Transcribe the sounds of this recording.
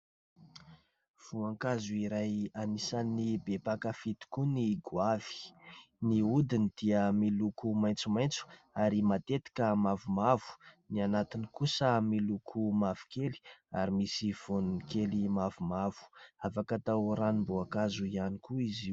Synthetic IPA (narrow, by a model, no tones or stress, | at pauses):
v̥uaŋkazuiɾajanisanːibepakəfit̪i̥kuniɡwavi̥ | niud̪inid̪̥iəmilukumajnt͡sumajnt͡su̥ | aɾimat̪et̪i̥kʲəmavumavu̥nianat̪inikusəmilukʰumavu̥keli̥aɾimisiv̥ununikelimavumavu̥afakət̪awɾanimbuakazuianikuiziu